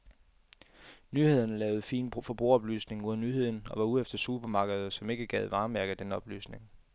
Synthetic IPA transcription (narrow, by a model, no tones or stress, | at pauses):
nyhe̝ð̞ˠɐn̩lɛːʊð̩ˠfiːnfɒ̽b̥ʁuɐɒ̽b̥ly̰ːsne̝ŋuðˠɐnyːhe̝ð̰ˠn̩ɒ̽ʋɑ̈uðˠefd̥ɐsub̥ɐmɑ̈ɡ̥əð̞̩ˠsɒ̽me̝ɡ̥əɡ̥ɛð̞ˠʋɑ̈ːmæɐɡ̥ð̩d̥enɒ̽b̥ly̰ːsne̝ŋ